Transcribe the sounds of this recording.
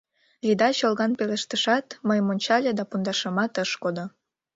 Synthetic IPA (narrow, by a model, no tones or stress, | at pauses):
lid̪ɑɕolɣɑnpeləʃt̪əʃɑt̪məjmonʲt͡ɕɑlʲed̪ɑpund̪ɑʃəmɑt̪əʃkod̪o